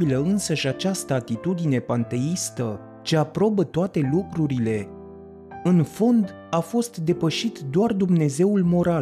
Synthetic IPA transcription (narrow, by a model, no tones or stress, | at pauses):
iləɨnsəʃʲat͡ʃast̪əat̪it̪ud̪ine̞pant̪e̞ist̪ə | t͡ʃe̞apɾo̞bət̪oat̪e̞lukɾuɾile̞ | ɨnfo̞nd̪ | afo̞st̪d̪e̞pəʃit̪d̪oard̪umne̞ze̞ulmo̞ɾa